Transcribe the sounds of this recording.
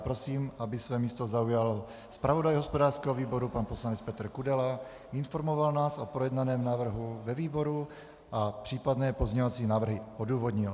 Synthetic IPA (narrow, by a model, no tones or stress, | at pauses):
pɾo̞siːmʔabɪsvɛːmiːst̪o̞zaujal | spɾavo̞dajɦospodaːr̥skɛːɦoviːbo̞ɾupanpo̞slanɛt͡spɛt̪r̩kudɛla | ɪnfo̞ɾmo̞valnaːso̞pɾojɛdnanɛːmnaːvr̩ɦuvɛviːbo̞ɾu | ʔapr̥iːpadnɛːpozɲovat͡siːnaːvr̩ɦɪʔoduːvodɲɪl